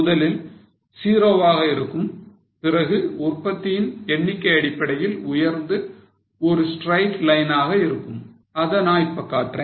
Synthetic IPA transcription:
mʊðɐlɪl | siːɾɐʋaːɣɐɪɾɯkːɯm | pɪɾɐɣɯʊrpːɐt̪ːɪjɪnɛɳːɪkːɐɪɐɽɪpːɐɽɐjɪlʊjɐɾnd̪ɯ | ɔɾɯsʈɾɐɪʈlɐɪnaːɣɐɪɾɯkːɯm | ɐðɐnaːjpːɐkːaːʈre

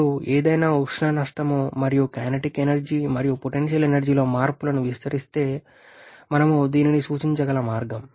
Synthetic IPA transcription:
ueːd̪ɐjnaːukʂɳaːnɐʂʈ̪ɐmumɐɾijukaːnɐʈikenɐɾd͡ʒiːmɐɾijupoʈenʃ̬jɐlenɐɾd͡ʒiːlo̞ːmaːɾpulɐnuʋist̪ɐɾist̪e̞ː | mɐnɐmud̪iːninisuːt͡ʃiɲt͡ʃɐɡɐlɐmaːɾɡɐm

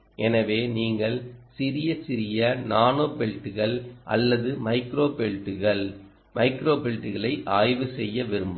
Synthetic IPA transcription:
ʔɛnɐʋeːniːŋɡɐɭsɪɾɪjɐt͡ʃɪɾɪjɐnaːnoːpɛɻʈːɯɣɐɭʔɐ̰lːɐðɯmɐɪkɾoːpɛɭʈːɯɣɐɭ | mɐɪkɾoːpɛɻʈːɯɣɐɭɐɪʔaːjʋɯsɛjːɐʋɪɾɯmbɯ

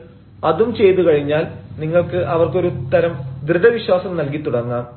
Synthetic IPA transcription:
ɐðumt͡ɕe̞jt̪ukɐɻiɲːaːlniŋːɐɭkɨʔɐʋɐrko̞ɾut̪ːɐɾɐmd̪rɨd̪ɐʋiɕwaːsɐmnɐlk̬it̪ːuɽɐŋːaːm

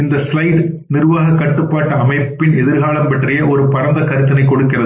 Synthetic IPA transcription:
ɪnd̪ɐslɐɪʈ | nɪrʋaːɣɐkːɐʈːɯpːaːʈːɐɐmɐɪpːɪnɛðɪɾɣaːɭɐmpɐʈrɐjɐʔɔɾɯpɐɾɐnd̪ɐkɐɾɯt̪ːɐnɐɪkːɔɽɯkːɪrɐðɯ

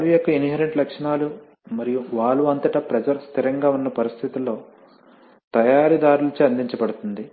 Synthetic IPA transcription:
lujokːɐiniɦeɾeɳʈlɐkʂɐnaːlu | mɐɾijuʋaːluɐnt̪ɐʈɐpɾɐd͡ʒɐɾst̪ʰiɾɐŋɡaːunːɐpɐɾist̪ʰit̪ulːo̞ː | t̪ɐjaːɾid̪aːɾulɐt͡ʃiɐnd̪iɲt͡ʃɐbɐɽut̪und̪i

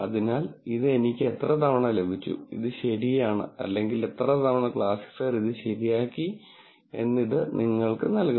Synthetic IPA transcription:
ɐðinaːliðɨe̞nikʲːɨet̪rɐt̪ɐʋɐɳɐle̞bʱit͡ɕːṵḭðɨɕɐɾijaːɳɨ̰ɐ̰lːe̞ŋɡile̞t̪rɐt̪ɐʋɐɳɐkɭaːsi̥ksaːɾiðɨɕɐɾijaːkːi | e̞̰nːiðɨniŋːɐɭkɨnɐlku

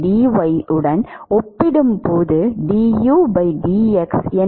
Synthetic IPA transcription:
ɖiːʋɐɪɯɽɐnɔpːɪɽɯmpoːðɯɖiːjuːbɐɪɖiːɛksɛn

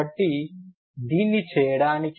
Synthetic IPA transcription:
ɐʈːi | d̪iːnːit͡ʃɛːjɐɽaːnik

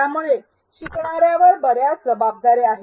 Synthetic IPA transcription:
amuɭe | ɕikɳ̃aɾjaʋəɾbəɾjad͡zəbab̚d̪aɾeaɦe

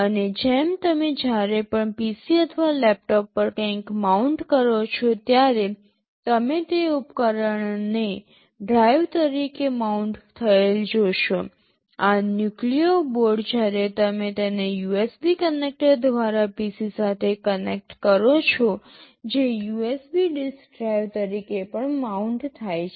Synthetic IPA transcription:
əned͡ʒɛmt̪əmed͡ʒjaɾepəɳpisiət̪ʰəʋalɛp̚ʈɔpːəɾkə̃kmauɳʈkəɾot͡ʃʰot̪jaɾe | t̪əmet̪eupkəɾəɳne | ɖɾajʋt̪əɾikemauɳʈt̪ʰəeld͡ʒoʃo | anjuklioboɾɖd͡ʒjaɾet̪əmet̪enejuesbikənek̚ʈəɾd̪ʱʋaɾapisisat̪ʰekənek̚ʈkəɾot͡ʃʰo | d͡ʒejuesbiɖɪskɖɾajʋt̪əɾikepəɳmauɳʈt̪ʰajt͡ʃʰe

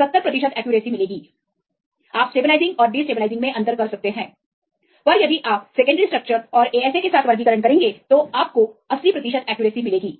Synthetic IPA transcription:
ɐt̪ːəɾpɾɐt̪ɪʃət̪ɛːkjuːɾeːsimɪleːɡiː | aːpsʈeːbɪlaːɪzɪ̃ŋɡɔːɾɖiːsʈeːblaɪzɪ̃ŋɡmẽʔɐ̃nd̪əɾkɐɾsɐk̚t̪eɦɛ̃ː | ɔːɾjɐd̪ʱiʔaːp̚seːkə̃ɳɖəɾisʈɾɐk̚t͡ʃəɾɔːɾeːɛːsekesaːt̪ʰʋɐɾɡikəɾəɳkɐɾẽːŋɡet̪oaːp̚koɐsipɾɐt̪ɪʃət̪ɛːkjuːɾeːsimɪleːɡiː

